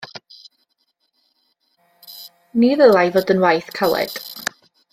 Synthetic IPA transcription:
niðəlˠajvoːdənwajθkʰalɛ̰d̥

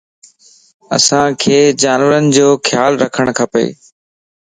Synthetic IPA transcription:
ɐ̰sãkʰeːd͡ʑaːnʋəɾənɪ̆d͡ʑoːxʰjaːlɾɐkʰəɽ̃kʰɐpḛː

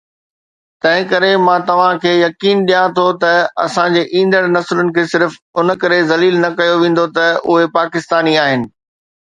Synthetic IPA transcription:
t̪ɐ̃ɦɪ̃kɐɾemãːt̪ɐʋ̤ãkʰeːjɐkiːnɗijãt̪ʰot̪ɐɐsãd͡ʑeːʔĩːn̆d̪əɽnɐslʊnɪ̆kʰeːsɪɾf | ʊnəkɐɾezɐliːlnɐkɐjoʋẽːn̆d̪ot̪ɐʊɦepaːkɪst̪aːniaːɦɪnɪ̆

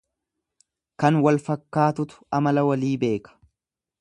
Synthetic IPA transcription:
kɐnwɐlfɐkːaːt̪ʊt̪ʊ̥ɐmɐlɐwɐliːbe̞ːkɐ̥

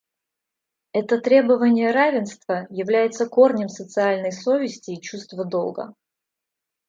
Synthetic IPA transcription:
ɛt̪ət̪ɾʲe̞bəvənʲɪjəɾavʲɪnst̪vəjɪvlʲæjɪt̪səko̞rnʲəmsət̪sɨalʲnəjso̞vʲɪsʲtʲɪːt͡ɕust̪vəd̪o̰lˠɡə̰

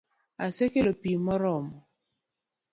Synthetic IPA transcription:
asekelopimɔɾɔmɔ

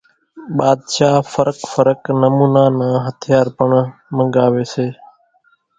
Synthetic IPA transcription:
ɓaːd̪ʃaːfəɾəkfəɾəknəmuːnaːnãːɦət̪ʰɪjaːɾpəɳmə̃ŋɡaːʋeːseː

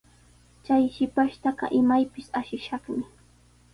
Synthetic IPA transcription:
t͡ʃajʃɪpaʃt̪ɑɢɑ̰ʔɪmajpɪsaʃɪʃɑχmɪ

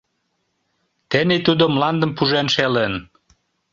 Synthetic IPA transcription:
t̪enit̪ud̪omlɑnd̪əmpuʒenʃelen

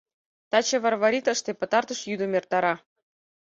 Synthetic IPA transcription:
t̪ɑt͡ɕevɑrvaɾʲit̪əʃt̪epɤ̆t̪ɑrt̪ɤ̆ʃjyd̪ə̆mert̪ɑɾɑ

